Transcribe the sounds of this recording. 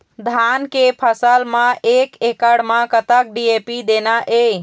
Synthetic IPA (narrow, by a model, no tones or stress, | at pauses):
d̪ʱankepʰəsəlmãʔekekəɽmãkət̪ək̚ɖiepid̪enaʔe